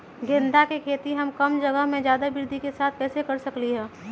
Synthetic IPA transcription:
ɡʱẽːnd̪ʱakekʰeːt̪iɦɐmkɐmd͡ʒɐɡəɦmẽd͡ʒjaːd̪abɪɾd̪ʱikesaːt̪̚ʰpɛːsekɐɾsɐkliɦɛː

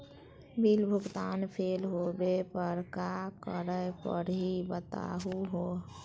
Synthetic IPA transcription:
bilbʱʊɡt̪aːnpʰeːlɦobepəɾkakəɾəpəɾɦibət̪a̰ɦuɦoː

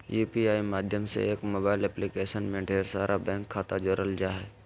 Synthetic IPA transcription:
juːpiaːimaːd̪ʱjəmsḛeːkmoːbaːɪlɛplikeːʃənmẽɖʱeːɾsaːɾʔabɛ̃ːŋkʰːaːt̪ad͡ʒoɾəld͡ʒaːɦɛː

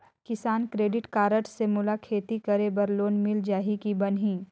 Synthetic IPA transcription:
kɪsaːnkɾeːɖɪʈkaːɾəʈsemʊlakʰeːt̪ikɐɾebɐɾloːnmɪld͡ʒaːɦikibɐnɦĩː

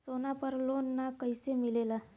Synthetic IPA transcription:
sonapəɾlonːakəjsemilela

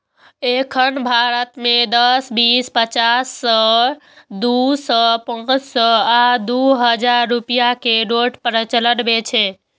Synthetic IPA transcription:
ekʰənbʱaɾət̪med̪əsbispət͡ʃasːə | d̪usəpə̃t͡ʃsəad̪uɦəd͡ʒaɾːupijakeɾoʈpɾət͡ʃələɽbet͡ʃʰɛ

